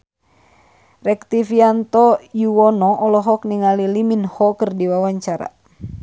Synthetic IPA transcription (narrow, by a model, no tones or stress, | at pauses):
rɛkt̪ifiant̪ɔjuwɔnɔʔɔlɔɦɔkniŋaliliminhɔkərdiwawaɲt͡ʃaɾa̰